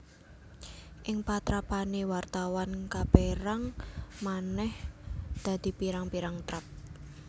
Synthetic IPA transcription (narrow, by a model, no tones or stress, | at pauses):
ʔɪŋpat̪ɾapanewart̪awankab̥eɾaŋmanɛhd̪̥a̤d̪̥i̤piɾaŋpiɾaŋt̪ɾap̚